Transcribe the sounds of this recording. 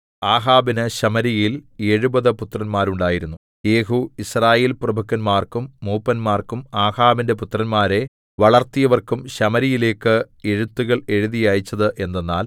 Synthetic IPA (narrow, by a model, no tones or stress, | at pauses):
aːɦaːbinɨɕɐmɐɾijile̞ɻubɐðɨput̪ːrɐnmaːɾuɳɖaːjiɾunːu | e̞ːɦuisraːjeːlprɐbʱukːɐnmaːrkumːuːpːɐnmaːrkumaːhaːbinde̞put̪rɐnmaːɾe̞ | ʋɐɭɐrt̪ijɐʋɐrkumɕɐmɐɾijile̞ːkːɨ | eɻut̪ːuɣɐɭe̞ɻuðijaːjit͡ɕːɐðɨʔe̞nːenːa̰ːl